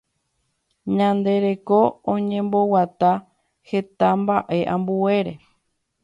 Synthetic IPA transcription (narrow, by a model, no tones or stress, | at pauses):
ɲãnd̪e̞ɾe̞ko̞õɲẽ̞mbo̞wat̪a | he̞t̪ambaʔe̞ʔãmbue̞ɾe̞